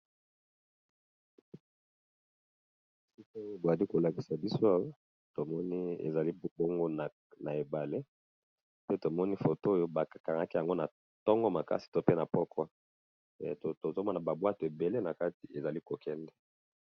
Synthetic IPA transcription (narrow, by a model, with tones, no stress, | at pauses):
si˦ko˦jo˦bo˨a˨li˦ko˨la˨ki˨sa˨bi˦so˦a˦jo˦ | to˨mɔ˦ni˦ḛ˨za˨li˦bbo˦ŋɡo˦n˨ | na˨e˨ba˨le˦ | pe˦to˨mɔ˦ni˦fo˨to˦jo˦ba˨ka˨ka˨ŋa˦ki˦ja˨ŋɡo˦na˨ | tɔ˦ŋɡɔ˦ma˨ka̰˦si̥˨to˦pe˦na˨pɔ˦kʰwa˦˨ | to˨to˨zo˦mɔ˦na˨ba˨bwa˦to˨e˨be˨le˦na˨ka˦ti˨e˨za˨li˦ko˨kʰɛ˦ndɛ˦